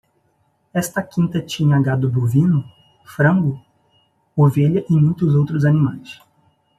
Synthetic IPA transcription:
ɛst̪ɐkĩnt̪ɐt͡ʃĩɲɐaɡad̪ʊbovĩnʊ | fɾɐ̃ŋɡʊ | oveʎɐʔɪmũj̃t̪ʊzowt̪ɾʊzɐnĩmajs

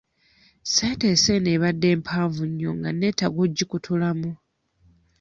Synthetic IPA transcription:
setese̞neβadːe̞ːmpʰaːɱvuɲːoŋɡanːetaɡuɟːikutʰulamu

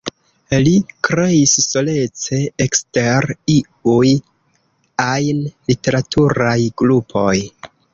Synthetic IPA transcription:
likɾe̞isːo̞le̞t͡se̞ekste̞ɾi | uj | ajnlite̞ɾatʰuɾajɡ̥ɾupʰo̞j

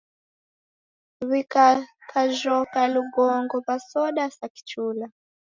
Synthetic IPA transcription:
βikakʰaʒɔkaluɡɔŋɡɔpasɔɗasaki̥t͡ʃuːla

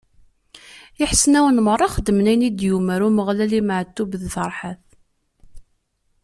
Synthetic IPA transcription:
ɪħsnæwənmərˤːɑχəd̪ːəmnæjnid̪juməɾuməʁlæliməʕt̪ːubðθəɾˤħaθ

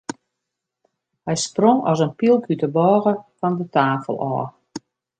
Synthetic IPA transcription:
hɛjsproŋɔ̰sənpilˠɡytəbɔːɣəfɔndətaːfə̰lˠʔɔ̰ː

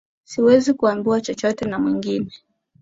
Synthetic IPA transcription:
siwɛzikuambuat͡ʃɔt͡ʃɔtɛnamwiŋɡinɛ

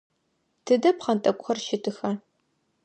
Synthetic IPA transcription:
tʰɨdɐpχɐntʼɐkʷʼxɐrʃɪtʰʼɨxɐ

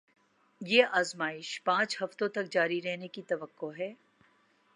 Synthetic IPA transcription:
jeːʔaːzmaːɪʃpãːt͡ʃhɐft̪õt̪ɐk̚d͡ʒaːɾiɾɛɦnekit̪ɐʋəkːoɦɛː

